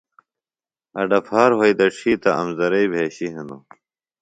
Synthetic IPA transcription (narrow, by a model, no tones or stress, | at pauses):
ɐɖɐpʰaːɾɦɐid̪ɐʈ͡ʂʰiːt̪ɐɐmzɐɾɐibʱeːɕiɦɐnu